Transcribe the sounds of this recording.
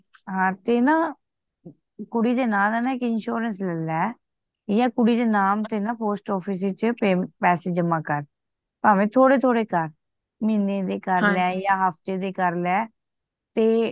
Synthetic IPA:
ɦãːt̪eːnãː | kʊɽiːd̪eːnãːdɛnaːɪkɪnʃoːɾənslɛlɛː | jãːkʊɽiːd̪eːnaːmt̪eːnãːpoːsʈɔːpʰiːs̬iːt͡ʃəpepɛːseːd͡ʒəmãːkəɾ | paːʋẽːt̪ʰoːɽeːt̪ʰoːɽeːkəɾ | miːnẽːd̪eːkəɾlɛːjaːɦapt̪eːd̪eːkəɾlɛː | t̪eː

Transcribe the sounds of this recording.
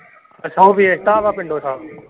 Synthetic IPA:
əsõːbiːet̪aːʋaːpɪɳɖoːt̪ʰaː

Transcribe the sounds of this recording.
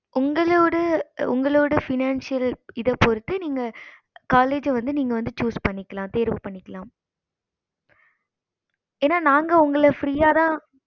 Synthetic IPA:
ʔʊŋɡɐɭoːɽɐʊ̰ŋɡɐɭoːɽɐfɪnaːnsɪjɐlɪðɐpɔɾɯt̪ːɯniːŋɡɐ | kaːleːd͡ʒɐʋɐnd̪ɯniːŋɡɐʋɐnd̪ɯt͡ʃuːspɐɳːɪkːɐlãːt̪eːɾʋɯpɐɳːɪkːɐlãːm | eːnːaːnaːŋɡɐʊŋɡɐɭɐfɾiːjaːt̪ãː

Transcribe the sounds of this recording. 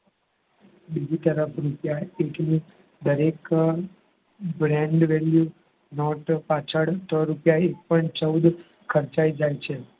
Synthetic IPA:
bid͡ʒit̪əɾəpʰɾupjaeʈni | d̪əɾek | bɾɛ̃ɳɖʋelju | nɔʈpãt͡ʃʰəɽʈəɾupjaek̚pəɳʈt͡ʃəwd̪ | kʰəɾt͡ʃaid͡ʒajt͡ʃʰe

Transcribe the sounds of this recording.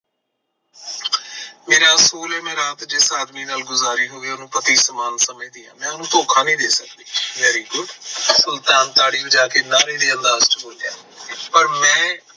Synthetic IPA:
meːɾaːəsuːlɛːmɛ̃ːɾaːt̪d͡ʒɪsaːd̪miːnaːlɡʊzaːɾiːɦoːeːonũːpət̪iːsəmaːnsəmẽːd̪iːã̰ːmɛ̃ːʊnũːt̪oːkʰãːnĩːd̪eːsək̚d̪iːʋɛɾiːɡʊɖsʊlt̪aːnt̪aːɽiːəd͡ʒaːkeːnaːɾĩːd̪eːə̃nd̪aːzt͡ʃʰəbolja̰ː | pəɾmɛ̃ː

